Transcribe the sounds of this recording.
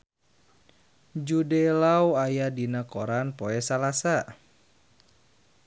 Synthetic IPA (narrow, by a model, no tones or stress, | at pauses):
d͡ʒudelawajadinakoɾanpoɛsalasa